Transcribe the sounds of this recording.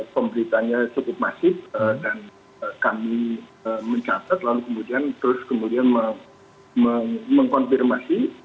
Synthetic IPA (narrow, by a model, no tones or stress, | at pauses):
pəmbəɾit̪aɲat͡ʃukʊp̚masɪf̚ədan | əkamiəməɲt͡ʃat̪at̪̚lalukəmudiant̪əɾʊskəmudianməŋ | məŋməŋkɔnfirmasi